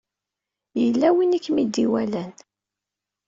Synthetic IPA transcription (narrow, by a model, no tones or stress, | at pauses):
jəlːæwinikːmid̪ːiwælæn